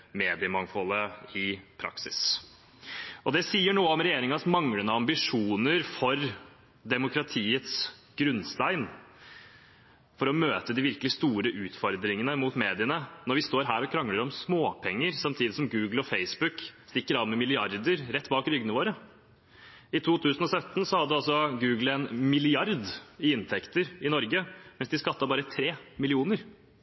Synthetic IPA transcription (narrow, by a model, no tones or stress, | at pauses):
meːd̪ɪəmɑŋfɔləɪpʰɾɑ̰ksɪ̰s | ʔɔd̪ɛsiːəɳuːəɔmɾɛjeːɾɪŋɑsmɑŋɽənəɑmbɪʂuːnəɾfɔɾ | d̪ɛmʊkɾɑt̪ʰiːət̪sɡ̥ɾʉnst̪æɪn | fɔɾɔmøːt̪əd̪ɪʋɪɾkəlɪst̪uːɾəʔʉːt̪fɔɾd̪ɾɪŋənəmut̪meːd̪ɪənənɔɾʋɪst̪oːɾɦæːɾɔkʰɾɑŋːləɾɔmsmoːpʰɛŋːəɾsɑmt̪ʰiːd̪ɪsɔmɡʉːɡl̩ɔfeɪsbʉkst̪ɪkːəɾɑːnmɛmɪlɪɑɾd̪əɾɾɛt̪ːbɑːkɾʏɡənəʋoːɾə | ɪt̪ʰuːt̪ʰʉːsən̩ɔsœt̪ːnsɔhɑd̪ːəɑlsɔɡʉːɡl̩ɛnmɪlɪɑɾd̪ɪɪnt̪ʰɛkt̪əɾɪnɔɾɡəmɛnsd̪ɪskɑt̪ːɑbɑːɾət̪ʰɾeːmɪlɪuːnəɾ